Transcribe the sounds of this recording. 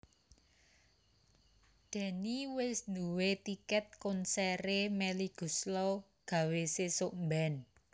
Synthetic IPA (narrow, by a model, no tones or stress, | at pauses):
d̪̥ɛ̤niwɪsnd̪uwet̪ikɛt̪̚kʊnsɛɾemɛliɡ̥ṳslɔ | ɡ̥ä̤wesesoʔmbɛn